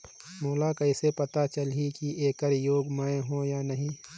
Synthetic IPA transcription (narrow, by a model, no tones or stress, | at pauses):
moːlakɐɪsepɐt̪at͡ʃɐlɦikiʔeːkəɾjoːɡməẽɦõjaːnɐɦĩː